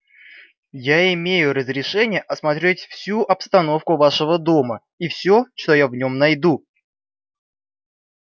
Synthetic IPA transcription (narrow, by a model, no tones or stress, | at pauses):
jaɪmʲejʊɾəzɾʲɪʂɛnʲɪjəʔɐsmɐt̪ɾʲetʲfsʲuʔɐpst̪ɐno̞fkʊvaʂəvəd̪o̞mə | ifsʲoʂt̪o̞javnʲo̞mnɐjd̪u